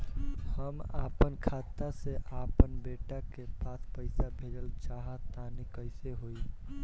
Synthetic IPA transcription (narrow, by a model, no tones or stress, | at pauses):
həma̰ːpənkʰat̪aseʔapənbeʈakepaspəɪsabʱeɾəlt͡ʃaɦət̪anikəɪseɦoi